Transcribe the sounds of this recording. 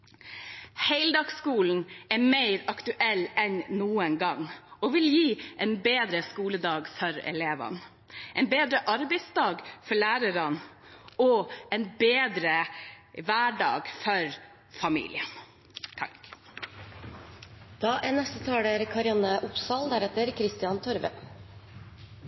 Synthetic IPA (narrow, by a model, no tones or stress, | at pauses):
heɪld̪ɑːɡskuːln̩ɛmeɪɾɑkt̪ʉʔɛlːɛnnuːənɡɑŋɔʋɪljiːʔɛɪnbeːd̪ɾəskuːləd̪ɑːɡfɔɾɛ̰leːʋɑ̰n | ʔɛɪnbeːd̪ɾəʔɑɾbɛɪsd̪ɑːɡfɔɭæːɾəɾɑn | ɔɛnbeeːd̪ɾəʋæːɖɑ̰ːɡfɔɾ | fɑmḭːlɪ̰ə | t̪ʰɑ | d̪̥ɑːʔɛnɛst̪ət̪ʰɑːɽəɾkʰɑɾɪɑnəʔʊpsɑːld̪æɾɛt̪əɾkʰɾɪst̪ɪɑnt̪ʰɔɾʋə̰